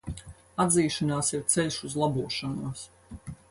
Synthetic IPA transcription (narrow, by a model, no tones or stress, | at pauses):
ad̪ziːʃanaːsiɾt̪sɛlʲʃuzlˠabuɔʃanuɔs